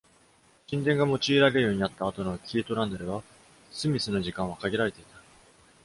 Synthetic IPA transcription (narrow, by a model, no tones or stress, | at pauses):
ɕʲĩnd̪ẽ̞ŋɡamo̞t͡ɕiːɾaɾejo̞ːɲ̟inat̪ːaːt̪o̞no̞kʲʰiːt̪o̞ɾãnd̪aɾɯ̟βa | sɨmʲisɨno̞ʑikãɰ̃akaɡʲiɾaɾe̞t̪e̞i̥t̪ḁ